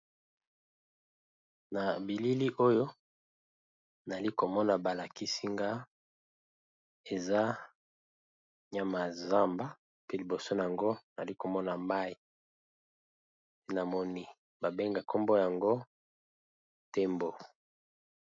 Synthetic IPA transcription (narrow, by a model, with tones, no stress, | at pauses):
na˨bi˨li˦li˦ʔo˦jo˦ | n˨li˦ko˨mɔ˦na˨ba˨la˨ki˦si˦ŋɡa˦ | e˨za˦ | ɲa˦ma˨za˦mba˦ | pe˦li˨bo˨so˦na˨ja˨ŋɡo˦na˨li˦ko˨mɔ˦na˨ma˦i˨ | e˦na˨mɔ˦ni˦ | ba˨be˦ŋɡa˨ko˦mbo˦ja˨ŋɡo˦ | te˦mbo˨